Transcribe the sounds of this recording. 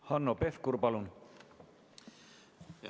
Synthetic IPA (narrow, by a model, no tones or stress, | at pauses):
hɑnːopeθkuɾpalun